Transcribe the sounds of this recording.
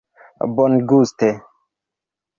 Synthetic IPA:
bɔnɡust̪e

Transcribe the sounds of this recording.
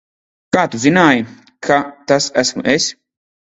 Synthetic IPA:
kaːt̪uzinaːji | kʰat̪asæsmṵʔes

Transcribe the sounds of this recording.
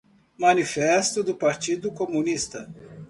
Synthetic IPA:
mɐnifɛst̪ʊd̪ʊpaɾt͡ʃid̪ʊkomũnist̪ɐ

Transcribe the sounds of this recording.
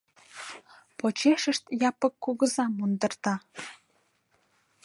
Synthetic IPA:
pot͡ɕeʃəʃt̪jɑpəkːuɣəzɑmund̪ə̆rt̪ɑ

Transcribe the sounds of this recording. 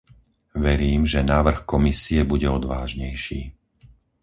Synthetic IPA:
ʋɛɾiːmʒɛnaːʋr̩xkɔmisiɛbuɟɛɔd̪ʋaːʒɲɛjʃiː

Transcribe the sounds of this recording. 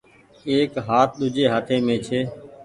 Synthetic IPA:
eːkɦaːt̪̚ʰɗ̪ʊd͡ʒeːɦaːt̪ʰeːmẽːt͡ʃʰeː

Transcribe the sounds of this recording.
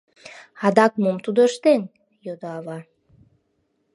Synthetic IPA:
ɑd̪ɑkmomt̪ud̪əʃt̪en | jod̪oɑβɑ

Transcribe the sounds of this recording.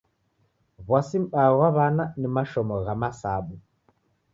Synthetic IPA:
βwasim̩ɓaɣwaβananimaʃɔmɔɣamasaɓu

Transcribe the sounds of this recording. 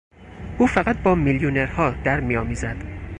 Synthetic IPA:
ʔuːfæɣæt̪̚bɒːmiljoneɾhɒːd̪̥æɾmijɒːmiːzæd̪̥

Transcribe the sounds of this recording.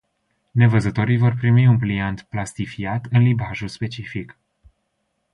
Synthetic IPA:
ne̞vəzət̪o̞ɾijvo̞rpɾimiunpliant̪plast̪ifiat̪ɨnlibaʒulspe̞t͡ʃifik

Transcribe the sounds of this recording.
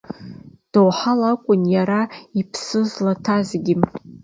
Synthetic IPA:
d̥owħalakʷʼʊnjaɾaipʰsɨzlatʰazɡʲɪ

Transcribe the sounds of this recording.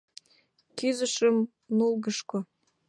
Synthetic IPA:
kyzə̆ʃə̆m | nulˠɣəʃko

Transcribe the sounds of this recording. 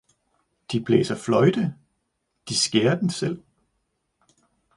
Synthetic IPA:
d̥ib̥ʰlḛːsɐflɒ̽ɪd̥ə | d̥isɡ̥eːɐd̥ensel̰

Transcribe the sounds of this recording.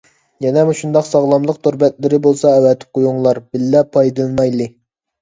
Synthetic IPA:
jɛnɛmuʃund̪ɑqsɑʁlˠɑmlˠəq̚t̪ʰoɾbɛt̪lɪɾɪbolˠsɑɛwɛt̪ʰɪ̥p̚qʰojuŋlˠɑɾbɪlːɛpʰːɑjd̪ɨlˠmɑjlˠɨ

